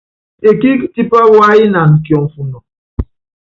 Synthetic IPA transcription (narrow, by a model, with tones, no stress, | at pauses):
e˨ki˦kti˦pa˦wa˦i˦na˨ŋ̩˨kjɔ˨m˨fu˨nɔ˨